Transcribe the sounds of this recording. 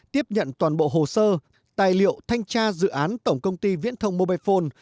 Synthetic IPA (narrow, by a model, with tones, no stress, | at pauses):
t̪i˦˥əp̚ɲə̰˧˨nt̪waː˨˩nɓo̰˧˨ɦo˨˩səː˧ | t̪aː˨˩jlḭ˧˨əwt̪ʰa˧jŋ̟t͡ɕaː˧zɨ̰˧˨ʔaː˨˦nt̪ə˧˩wŋ͡mkə˧wŋ͡mt̪i˧vḭ˧˥ənt̪ʰə˧wŋ͡mmo˧ɓaː˧jfo˧n